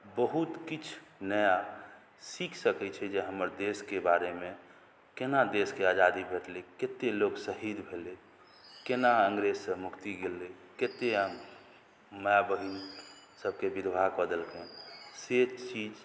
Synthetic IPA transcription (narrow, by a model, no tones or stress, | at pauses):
bəɦut̪kit͡ʃʰnəja | sikʰsəkɛt͡ʃʰɛd͡ʒeɦəməɾd̪eskebaɾemẽ | kenad̪eskead͡ʒad̪ibʱeʈleket̪eloɡsəɦid̪bʱele | kenaəŋɡɾezsə̃mukt̪iɡele | ket̪eɦəmː | əjabəɦin | səb̚ʱkebiɾbʱaɡbəd̪əlkeset͡ʃid͡ʒ